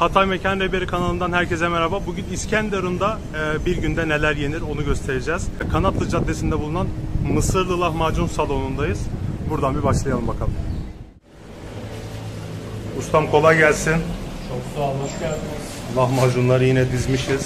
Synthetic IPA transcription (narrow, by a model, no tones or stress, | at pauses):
hat̪ʰajme̞cʰanɾe̞be̞ɾikʰanalˠɯnd̪anhæɾcezɛmeɾababuɟyniscʰænd̪eɾund̪a | biɾɟynd̪ɛne̞lʲæɾje̞niɾo̞nuɟø̞st̪ʰe̞ɾed͡ʒɛːz̥kʰanat̪lˠɯd͡ʒat̪ːe̞sind̪ɛbulˠunanmɯsɯɾlˠɯlˠahmad͡ʒunsalˠo̞nund̪ajɯz̥buɾd̪anbibaʃlˠajalˠɯmbakʰalˠ | ust̪ʰamkʰo̞lˠajɟælʲsint͡ʃʰoksaːlˠɯkɟælʲlˠahmad͡ʒunlˠaɾɯjinɛd̪izmiʃiz̥